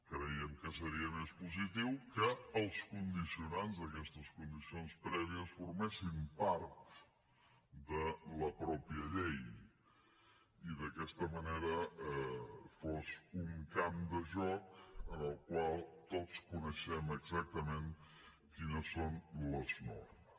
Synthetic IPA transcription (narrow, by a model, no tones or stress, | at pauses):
kɾəiəmkəsəɾiəmespuzit̪iwkəːlˠskund̪isiunanzðəkɛst̪əskund̪isionspɾɛβiəsfuɾmɛsimpaɾt̪ | d̪ələpɾɔpiəʎej | iðəkɛst̪əməneɾəɛfɔzuŋkamd̪əʒɔkənəlˠkwalˠt̪ot͡skunəʃɛməɡzak̚t̪əmeŋ | kinəsonləznɔ̰rm